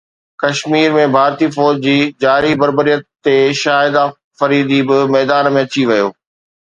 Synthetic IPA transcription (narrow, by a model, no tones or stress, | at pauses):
kɐʃmiːɾmẽbʱaːɾt̪ifɔːd͡ʑd͡ʑiːd͡ʑaːɾibɐɾbəɾijət̪ːeʃaːɪd̪a | fɐɾiːd̪ibɪmɛːd̪aːnmẽɐt͡ɕiʋɐjoː